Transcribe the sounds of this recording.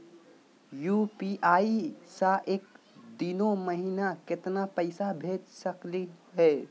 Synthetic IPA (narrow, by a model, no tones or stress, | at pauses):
jupiʔaisaʔek̚ | d̪inoməɦinaket̪napəɪsabʱed͡ʒsəkliɦɛ